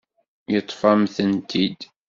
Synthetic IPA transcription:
jət̪ˤːfæmθənt̪ʰid̪

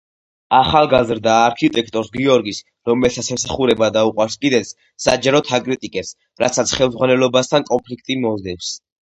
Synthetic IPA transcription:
aχalˠɡazɾd̪aːɾkʰit̪ʼɛk̚ʰt̪ʼɔɾsɡiɔɾɡis | ɾɔmɛlsʰat̪sʰɛmsaχuɾɛbad̪auqʼwaɾskʼid̪ɛt̪sʰ | sa̰d͡ʒaɾɔt̪ʰakʼɾit̪ʼikʼɛps | ɾat̪sʰat̪sʰχɛlˠmd̪zʁwanɛlɔbast̪ʰankʼɔnpʰlik̚ʰt̪ʼimɔzd̪ɛps

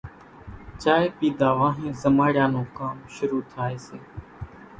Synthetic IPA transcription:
t͡ʃaːeːpiːd̪aːʋãːɦẽːzəmaːɽɪjãːnõːkaːmʃʊɾuːt̪ʰaːeːseː

